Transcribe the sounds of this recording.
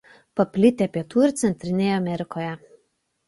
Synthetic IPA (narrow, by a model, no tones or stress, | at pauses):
pɐpʲlʲɪt̪ʲepʲiɛt̪uːɪɾt̪sʲɛnʲt̪ʲɾʲɪnʲeːjɛɐmʲɛɾʲɪkoːjɛ